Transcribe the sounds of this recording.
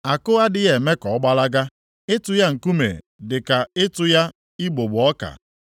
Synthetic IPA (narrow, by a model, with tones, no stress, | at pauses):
a˨kʊ˦ɣa˦dɪ˦ɣe˨me˦kɔ˨ɔ˦ɡ͡ba˦la˦ɡa˦ | ɪ˦tʊ˦ja˦ŋ̩˨ku˦mḛ˨ | dɪ˨ka˨ɪ˦tʊ˦ja˦ | i˦ɡ͡bo˨ɡ͡bʊ˨ɔ˦ka̰˨